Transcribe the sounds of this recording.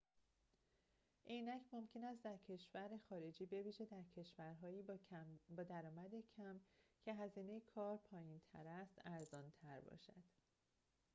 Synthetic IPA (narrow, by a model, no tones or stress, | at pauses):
ʔejnæcʰmo̞mcʰe̞næst̪d̪æɾcʰe̞ʃvæɾexɒːɾe̞d͡ʒiːbe̞viːʒed̪æɾcʰe̞ʃvæɾɦɒːjiːbɒːd̪æɾɒːmæd̪ecʰæmcʰe̞ɦæziːne̞jekʰɒːɾpʰɒːjint̪ʰæ̰ɾæst̪æɾzɒːnt̪ʰæɾbɒ̰ːʃæ̰d̪̥